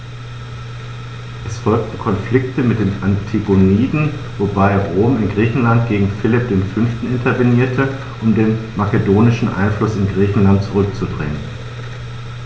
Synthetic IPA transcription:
ʔɛsfɔlk̚tn̩kʰɔnflɪk̚təmɪt̚d̥eːnʔantʰiɡoniːdn̩vobaɪʁoːmɪnɡʁiːçn̩lant̚ɡ̥eːɡŋ̩fɪlɪp̚d̥eːnfʏnftn̩ɪntʰɐveniːɐtʰə | ʔʊmdeːnmakədoːnɪʃn̩ʔa̰ɪnflʊsɪnɡʁiːçn̩lant̚t͡suʁʏk̚t͡sudʁɛ̰ŋən

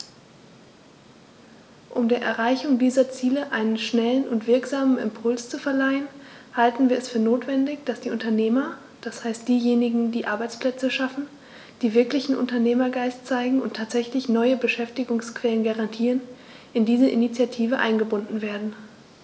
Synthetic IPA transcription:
ʔʊmdeːɐʔɛɐʁaɪçʊŋdiːzɐt͡siːləʔaɪnənʃnɛlənʔʊntv̥ɪɐkz̥aːmənɪ̰mpʰʊlst͡sufɛɐlaɪənhaltn̩viːɐɛsfyːɐnoːtv̥ɛndɪçd̥asd̥iːʔʊntɐneːmɐ | d̥ashaɪstd̥iːjeːnɪɡŋ̩diːʔaɐbaɪt͡spl̥ɛt͡səʃafn̩ | d̥iːvɪɐklɪçn̩ʔʊ̰ntɐneːmɐɡaɪst͡saɪɡŋ̩ʊntʰːaːtz̥ɛçlɪçnɔʏəbəʃɛftɪɡʊŋskv̥ɛlənɡaʁantʰiːʁən | ʔɪndiːzəʔɪnit͡sjatʰiːvəʔa̰ɪnɡəbʊndn̩veːɐdn̩

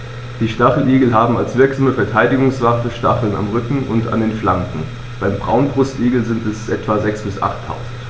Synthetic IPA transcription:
d̥iːʃtaχl̩ʔiːɡl̩ɦaːbm̩alsv̥ɪɐkz̥aːməfɛɐtʰaɪdɪɡʊŋsv̥atəʃta̰χl̩na̰mʁʏkŋ̩ʊnta̰ndeːnflaŋkŋ̩ | b̥aɪmbʁa̰ʊnbʁʊstʔiːɡl̩zɪntɛsʔɛtv̥azɛksb̥ɪsʔa̰χtʰːa̰ʊzn̩t

